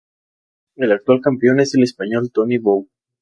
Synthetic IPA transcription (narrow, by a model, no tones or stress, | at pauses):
e̞lak̚t̪walkampeo̞ne̞se̞le̞spaɲo̞lt̪oniβow